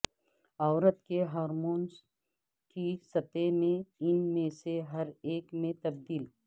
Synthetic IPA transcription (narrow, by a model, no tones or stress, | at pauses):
ɔːɾət̪keɦaːɾmoːns | kisɐt̪emẽɪnmẽseɦɐɾeːkmẽt̪ɐb̚d̪iːl